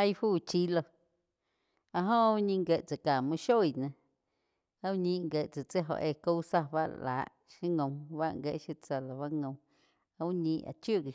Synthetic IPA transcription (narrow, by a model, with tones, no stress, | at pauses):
a˦jfuː˦˨t͡ʃi˦lo˧ | a˧ʔɦõ˦u˦ɲĩ˧ŋɡe˧˨t͡sa˨kaː˨mũ˧ʃo˦˨i˨nã˧ | a˦u˦ɲĩ˧ʔŋɡe˨ʔt͡sa˨t͡se˦ɦo̰˨ʔe˧˨ko˦wsa˧ba̰˦ʔla̰ː˨ʔ | ʃi˦ŋõ˧w̃βa˦ʔŋɡe˧˦ʔʃi˧t͡sa˧la˨βa˦ŋõ˧w̃ | a˧u˦ɲĩ˧ʔa̰˨t͡ʃjo˦˨ɡi˨